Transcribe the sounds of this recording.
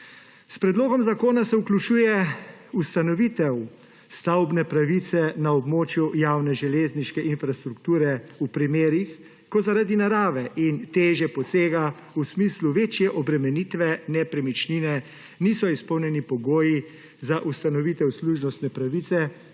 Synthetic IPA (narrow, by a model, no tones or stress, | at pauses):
spɾɛd̪loːɡɔmzakoːnasɛuklut͡ʃuːjɛust̪anɔʋit̪ɛw | st̪awbnɛpɾaʋit̪sɛnaɔbmoːt͡ʃjujaːwnɛʒɛleːzniʃkɛʔinfɾast̪ɾukt̪uːɾɛupɾimeːɾix | kɔzaɾad̪inaɾaːʋɛʔint̪eːʒjɛpɔseːɡa | usmisluʋeːt͡ʃjɛʔɔbɾɛmɛnit̪ʋɛnɛpɾɛmit͡ʃninɛ | nisɔispɔwnjɛnipɔɡoːji | zaʔust̪anɔʋit̪ɛwsluʒnɔst̪nɛpɾaʋit̪sɛ